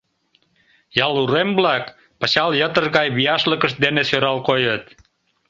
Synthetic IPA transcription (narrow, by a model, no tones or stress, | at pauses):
jɑluɾemblɑk | pɑɕɑljət̪ərɣɑjβijɑʃləkəʃd̪enesøɾɑlkojət̪